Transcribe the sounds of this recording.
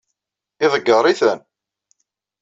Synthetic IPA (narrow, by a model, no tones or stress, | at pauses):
ɪðˤəɡːəɾˤiθæn